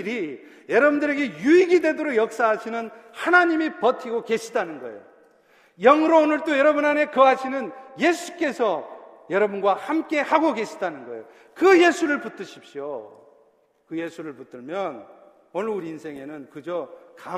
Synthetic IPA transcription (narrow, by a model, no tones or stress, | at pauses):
ɾi | jʌɾʌbundɯɾe̞ɡe̞juiɡidwe̞doɾoɡjʌk̚s͈aɦaɕʰinɯnhanaɲimipʌtʰiɡoke̞ɕʰidanɯnɡʌ̰ḛjo | jʌŋɯɾoːnɯɭt͈ojʌɾʌbunane̞kɯɦaɕʰinɯnje̞sʰu̥k͈e̞sʰʌ | jʌɾʌbunɡwahamk͈e̞haɡoke̞ɕʰidanɯnɡʌejo | kɯje̞sʰuɾɯɭput͈ɯɕʰi̥p̚ɕ͈jo | kɯje̞sʰuɾɯɭput͈ɯɭmjʌn | onɯuɾiːnsʰe̞ŋe̞nɯnkɯd͡ʑoka